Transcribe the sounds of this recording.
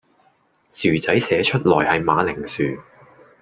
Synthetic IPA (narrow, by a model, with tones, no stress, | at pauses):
syː˨˩t͡sɐ˨˥jsɛː˨˧t͡ʃʰɵ˥t̚lɔː˨˩jhɐ˨jmaː˨˧lɪ˨˩ŋsyː˨